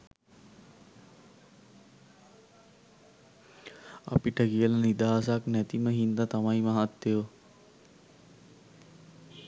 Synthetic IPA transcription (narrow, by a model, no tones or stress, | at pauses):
a̰piʈəkiəlanid̪aːsaknæt̪iməɦind̪at̪amaimaɦat̪ːeo